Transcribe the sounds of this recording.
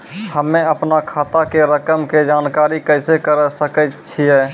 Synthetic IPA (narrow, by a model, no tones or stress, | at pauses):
həmẽəpnakʰaːt̪akeɾəkəmked͡ʒaːnkaːɾikəɪsekəɾsəkət͡ʃʰiɦɛː